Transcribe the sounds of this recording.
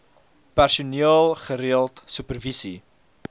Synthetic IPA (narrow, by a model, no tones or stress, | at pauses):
pærsuniɑːlˠχəɾiəlˠtsʉpərvisi